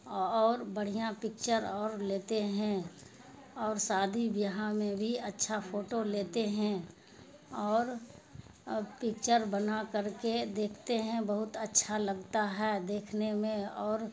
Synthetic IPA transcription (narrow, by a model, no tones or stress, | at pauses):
ɔːɾbəɽ̤ijãpɪk̚t͡ʃəɾɔːɾleːt̪eɦɛ̃ | ɔːɾsaːd̪ʱibjəɦãmẽbʱiɐtːʃʰapʰoːʈoleːt̪eɦɛ̃ | ɔːɾ | pɪk̚t͡ʃəɾbənakəɾked̪eːkʰt̪eɦɛ̃bəɦʊt̪ətːʃʰaləɡt̪aɦɛd̪eːkʰnemẽɔːɾ